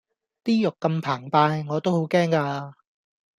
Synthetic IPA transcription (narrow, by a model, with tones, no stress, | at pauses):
t̪iː˥jʊ˨kːɐ˧mpʰaː˨˩ŋpaː˧jŋɔː˨˧t̪o˥who˨˥wkɛː˥ŋkaː˧